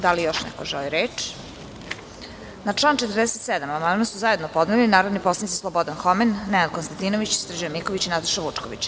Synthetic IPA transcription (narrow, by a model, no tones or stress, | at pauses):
d̪alijoʃnɛ̰koʒoliɾeːt͡ʂ | naʈ͡ʂlˠant͡ʃet̪rd̪ɛset̪sɛd̪amamannosuzaje̞d̪nopo̞d̪nelinaːɾod̪niposlanit̪islˠobod̪anxomenːɛnad̪̚konst̪ant̪inoʋit͡ɕsr̩d͡ʑomikoʋit͡ɕinat̪ḁʃaʋut͡ʂko̰ʋḭt͡ɕ